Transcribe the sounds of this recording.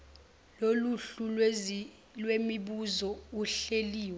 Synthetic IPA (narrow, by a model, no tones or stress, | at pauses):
loluɬu | lwemiɓuzɔuɬeliːwɛ